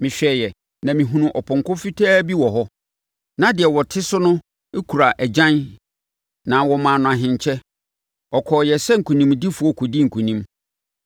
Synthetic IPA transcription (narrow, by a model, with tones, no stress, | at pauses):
mɪ̃˨ɕᶣɛ˨jɛ˨ | nã˨mĩ˨ɦũ˨nũ˨ʔɔ˨pʰɔ̃˨ŋkʊ̃˦fi˦tʰaː˦bi˦wɔ˨ɦɔ˦ | nã˦dɪ˨ɛ˨wɔ˨tʰɪ˦sʊ˦nʊ̃˦ | e˦kʰu˨ɾa˨ʔæ˨d͡ʑã˦n | nã˨wɔ˨mãː˨nʊ̃˨a˨ɦɪ̃˨ɲ˨t͡ɕʰɛ˦ | ɔ˨kʰɔː˨jɛ˨sɛ˦ŋ̩˨kʰũ˨nĩ˦mdi˦fu˨ɔ˦kʰʊ˨di˦ŋ̩˨kʰũ˨nĩ˦m